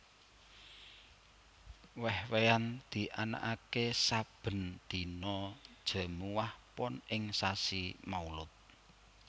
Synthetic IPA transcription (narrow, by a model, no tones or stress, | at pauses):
wɛhweand̪̥i̤ʔana̰ʔakesab̥ə̤nd̪̥i̤nɔd̥ʒ̥ə̤muwahpɔnɪŋsasimaulʊt̪̚